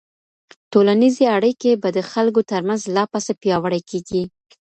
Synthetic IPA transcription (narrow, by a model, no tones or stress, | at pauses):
tolanizeaɽəjkebad̪əxalkot̪əɾmanzlɑpasapjɑwaɽajkeɡi